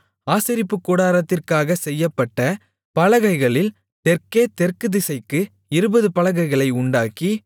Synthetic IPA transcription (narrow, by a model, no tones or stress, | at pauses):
aːsɪɾɪpːɯkːuːɽaːɾɐt̪ːɪrkaːɣɐsɛjːɐpːɐʈːɐ | pɐlɐɣɐɪɣɐɭɪl | t̪ɛrkeːt̪ɛrkɯðɪsɐɪkːɯ | ɪɾɯbɐðɯpɐɭɐɣɐɪɣɐɭɐɪʊɳɖaːki